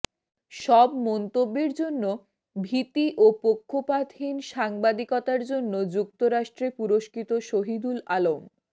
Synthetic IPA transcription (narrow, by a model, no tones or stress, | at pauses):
ʃɔbmɔnt̪obːeɾd͡ʑonːo | bʱit̪iʔopokʰːopad̪ʱɦinʃaŋbad̪ikot̪aɾd͡ʑonːod͡ʑukt̪oɾaʃʈɾepuɾoʃkʰit̪oʃoɦid̪ulalom